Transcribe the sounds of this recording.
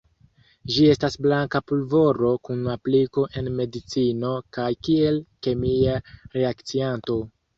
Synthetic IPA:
d͡ʒie̞stasblaŋkapulvo̞ɾo̞kunapliko̞ʔe̞nme̞dit͡sino̞kajkie̞lke̞miaɾe̞akt͡sianto̞

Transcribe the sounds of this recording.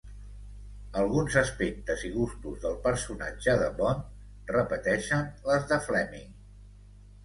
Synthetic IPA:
əlˠɣunzəspek̚t̪əziɣ̞ust̪uzðəlˠpəɾsuna̰d͡ʒəðəβɔn | rəpət̪ɛʃənləzðəflɛmḭŋ

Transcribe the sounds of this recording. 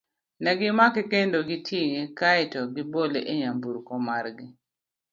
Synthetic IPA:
nɛɡɪmakekendoɡɪtʰjiŋekaɪtɔɡɪboleʔeɲambuɾkɔmarɡɪ

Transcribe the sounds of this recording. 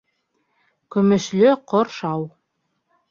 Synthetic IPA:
kɵ̆mɵ̆ʃlɵqoɾʃɑw

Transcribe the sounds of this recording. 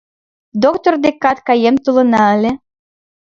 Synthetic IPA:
d̪okt̪ord̪ekɑt̪kɑjemt̪ulɤ̆nɑə̆lʲe

